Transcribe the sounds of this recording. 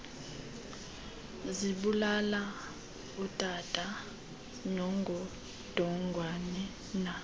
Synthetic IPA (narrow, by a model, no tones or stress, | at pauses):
ziɓulala | utʼatʼa | nɔŋɡʱɔ | d̥ʱɔŋɡʱwanɛ | na